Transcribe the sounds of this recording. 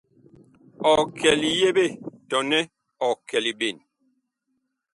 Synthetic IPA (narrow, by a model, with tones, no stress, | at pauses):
ɔ˨kʰɛ˨li˨je˦be˦˨tɔ˨nɛ˦ | ɔ˨kɛ˨li˨be˨n